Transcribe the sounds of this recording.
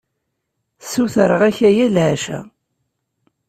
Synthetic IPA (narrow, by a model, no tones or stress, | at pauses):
suθɾəʁæçæjælʕaʃæ̰